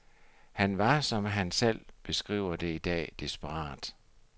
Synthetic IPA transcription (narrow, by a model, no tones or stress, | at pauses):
hænʋɑ̈sɒ̽mɦænsel̰b̥e̝sɡ̥ʁḭːʊ̰ɐd̥e̝id̥ɛ̰ːd̥isb̥əʁɑ̰̈ːd̥